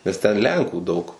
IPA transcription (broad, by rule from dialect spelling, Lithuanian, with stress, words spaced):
nʲɛs ˈtʲɛn ˈlʲɛŋkuː ˈdɐʊk